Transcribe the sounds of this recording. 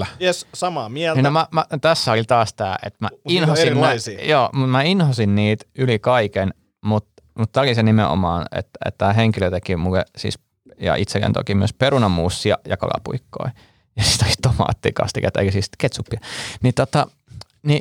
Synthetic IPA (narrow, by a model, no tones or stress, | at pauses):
essɑmɑːmiælninnomæmæt̪æsːæolit̪ɑːst̪æːʔḛt̪mæinhosinsijoːmut̪mæinhosinniːt̪ylikɑiken | mut̪ | mut̪t̪æːolisenimḛo̰mɑːnḛt̪ḛt̪t̪æːɦeŋkiløt̪ekimulḛsḭːs | jɑ̰it̪sekːḛnt̪o̰kimyøspeɾunɑmuːsːiɑ̰jɑkɑ̰lɑ̰pṵikːo̰i | jɑsi̥t̪olist̪omɑ̰ːt̪ːḭkɑ̰st̪ikɑt̪ːḛikøsist̪ket̪supːiɑnit̪ot̪ɑ | ni